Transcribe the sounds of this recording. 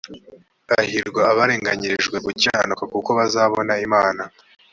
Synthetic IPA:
ahiɾɡwaaβaɾeːŋɡaɲiɾiʒɡwe̞ɡuciaanukakuko̞βazaːβo̞naimaːna

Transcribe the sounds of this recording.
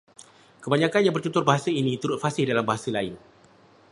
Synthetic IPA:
kəbaɲãkanjaŋbərt͡ʃut̪ʊrbaɦasainĩt̪uɾʊt̪̚fasɪhdalambaɦasalaɪn

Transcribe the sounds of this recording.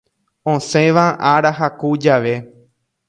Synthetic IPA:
õsẽʋaʔaɾaɦakud͡ʒaʋe̞

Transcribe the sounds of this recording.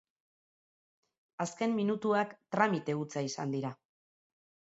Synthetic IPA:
aske̞mminut̪uakt̪ɾamit̪e̞ut͡saisa̰nd̪iɾa

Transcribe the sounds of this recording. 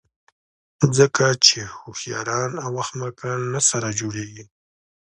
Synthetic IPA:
zəkat͡ʃehuxjɑ̰ɾɑnawaxmakɑnːasaɾad͡ʒoɽeɡi

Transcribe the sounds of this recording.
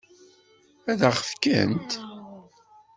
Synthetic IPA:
æðəχəfkə̰nt̪

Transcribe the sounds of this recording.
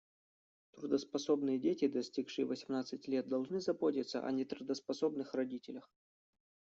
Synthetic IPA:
t̪ɾʊd̪əspɐso̞bnɨjədʲetʲɪd̪ɐsʲtʲikʂɨjɪvəsʲɪmnat̪sɨtʲlʲet̪̚d̪ɐlˠʐnɨzɐbotʲɪt̪sə̰ʔɐ̰nʲɪt̪ɾʊd̪əspɐsobnɨxrɐdʲitʲɪlʲəx

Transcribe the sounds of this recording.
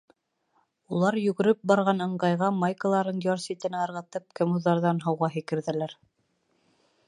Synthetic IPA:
ulˠɑɾjɵ̆ɡɘ̆ɾɘp̚bɑɾʁɑnɤ̆ɴɢɑjʁɑmɑjkɤ̆lˠɑɾɤnjɑɾsit̪ɘ̆næɑɾʁɤ̆t̪ɤp̚kɘ̆muðːɑɾðɑnɦɑwʁɑɦɘ̆kɘ̆ɾðɘ̆læɾ

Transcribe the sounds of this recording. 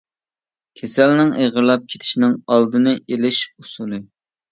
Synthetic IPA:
kʲʰesɛlnɪŋʔeʁəɾlˠɑp̚kʲʰe̥t̪ʰɪ̥ʃnɪŋɑlˠd̪ɨnɨʔelɪʃusulˠɨ

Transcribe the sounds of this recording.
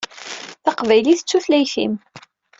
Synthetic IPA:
θɑqvæjliθə̥t͡sːuθlæjθḭm

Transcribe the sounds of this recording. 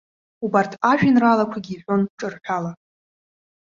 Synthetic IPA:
ubartʰaʒᶣinralakʷʰaɡʲiːħʲʷᶣo̞nʈ͡ʂʼɨrħʷᶣala

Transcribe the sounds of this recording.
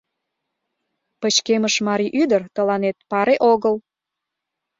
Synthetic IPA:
pət͡ɕkeməʃmɑɾiʔyd̪ərt̪əlɑnet̪̚pɑɾeʔoɣəl

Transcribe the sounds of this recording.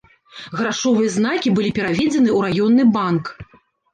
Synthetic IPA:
ɣɾaʂɔvɨjɐzn̪akʲibɨlʲipʲɛɾavʲɛd͡zʲɛnɨuɾajɔnːɨbank

